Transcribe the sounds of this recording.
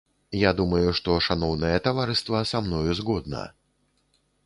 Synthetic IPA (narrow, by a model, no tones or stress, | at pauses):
jad̪umɐjuʂt̪ɔʂanɔwnɐjɐt̪avaɾɨst̪vɐsamnɔjuzɣɔd̪̚nɐ̰